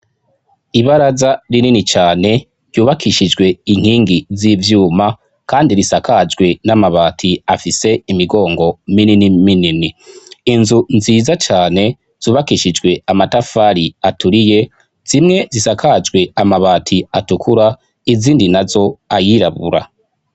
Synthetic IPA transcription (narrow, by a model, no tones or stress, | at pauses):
iβaɾazaɾininit͡ʃaːne̞ | ɾjuːβakiʃid͡ʒɡwe̞iŋ̥hiːŋɡizivjuːma | kaːndiɾisakʰad͡ʒɡwe̞namaβaːtʰiafise̞imiɡo̞ːŋɡo̞mininimininiːnzunziːzat͡ʃaːne̞ | z̥uːβakiʃid͡ʒɡwe̞amatafaɾiatuɾije̞ | z̥imŋe̞zisakʰad͡ʒɡwe̞amaβaːtʰiatukʰuɾa | iziːndinazo̞ajiɾaβṵɾa̰